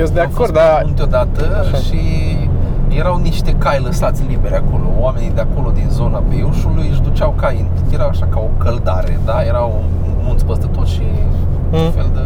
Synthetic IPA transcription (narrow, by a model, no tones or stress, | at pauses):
jesd̪eakord̪at̪od̪at̪əʃi | je̞ɾawniʃt̪e̞kajləsat̪sʲlibe̞ɾeako̞lo̞oame̞nid̪eako̞lo̞d̪inzo̞nabeuʃulujɨʃd̪ut͡ʃawkain | jeɾawaʃakao̞kəld̪aɾed̪ajeɾaw | munt̪spəst̪ət̪o̞ʃi | ufe̞ld̪ə